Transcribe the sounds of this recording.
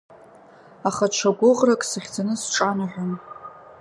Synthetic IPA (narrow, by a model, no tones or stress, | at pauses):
aχaʈ͡ʂʷʰaɡʷʊʁrakʼsaχʲd͡zanɨsʈ͡ʂʼanaħʲʷᶣan